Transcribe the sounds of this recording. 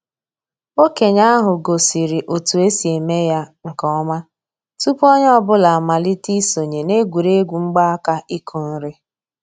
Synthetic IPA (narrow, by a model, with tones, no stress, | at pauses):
o˦ke˨ɲa˦a˦ɦʊ˨ɡo˨si˨ɾi˨ʔo˨tu˨e˦si˨e˨me˦ja˦ŋ̩˨kɔ˦ɔ˦ma˦ | tu˦po˦ɲ˦ɔ˦bʊ˦la˨a˨ma˨li˦ti˦so˨ɲe˨ne˦ɡʷu˨ɾe˦ɡʷu˨ŋ͡m̩˦ɡ͡ba˦a˦ka˦i˦kʰu˨n̩˦ɾɪ˦